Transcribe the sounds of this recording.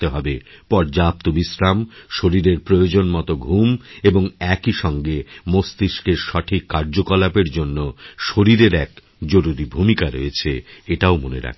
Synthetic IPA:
t̪eɦɔbepɔɾd͡ʑap̚t̪obisɾamʃoɾiɾeɾpɾojod͡ʑonmɔt̪oɡʱumeboŋɛkiʃɔŋɡemost̪iʃkeɾʃɔʈʰikːaɾd͡ʑokolapeɾd͡ʑonːoʃoɾiɾeɾɛk | d͡ʑoɾuɾibʱumikaɾojet͡ɕʰeeʈaomonḛɾa̰kʰ

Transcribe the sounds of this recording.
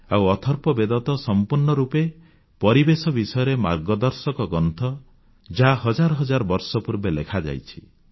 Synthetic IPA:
awɔt̪ʰɔɾpɔbed̪ɔt̪ɔsɔmpuɾɳɔɾupe | pɔɾibesɔbisɔjɔɾema̰ɾɡɔd̪ɔɾsɔkɔɡɔnt̪ʰɔ | d͡ʒaɦaɦɔd͡ʒaɾɔɦɔd͡ʒaɾɔbɔɾsɔpuɾbelekʰad͡ʒa̰jt͡ʃʰi̥

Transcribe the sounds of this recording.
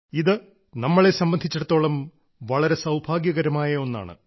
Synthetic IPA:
iðɨ | nɐmːɐɭe̞sɐmbɐnd̪ʱit͡ɕːɐɽɐt̪ːo̞ːɭɐm | ʋɐɭɐɾe̞sɐwbʱaːɡjɐɣɐɾɐmaːjɐo̞nːa̰ːɳɨ̰

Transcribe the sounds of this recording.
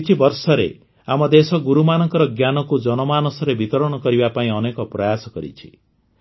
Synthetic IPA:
t͡ʃʰibɔɾsɔɾḛ | amɔd̪esɔɡuɾumanɔŋkɔɾɔɡjanɔkud͡ʒɔnɔmanɔsɔɾebit̪ɔɾɔɽ̃ɔkɔɾibapaĩɔnekɔpɾɔjasɔkɔɾḭt͡ʃʰi̥

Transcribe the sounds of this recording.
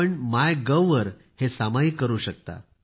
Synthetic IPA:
əɳmajɡəwʋəɾ | hesamaikəɾuːɕək̚t̪a̰

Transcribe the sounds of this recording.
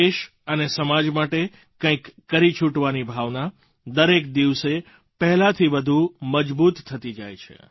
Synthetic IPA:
eʃ | ənesəmad͡ʒmaʈe | kə̃ĩkːəɾit͡ʃʰuʈʋanibʱaʋna | d̪əɾekd̪iʋse | pəɦɛlat̪ʰiʋəd̪ʱuməd͡ʒbut̪ʰːət̪id͡ʒajt͡ʃʰḛ

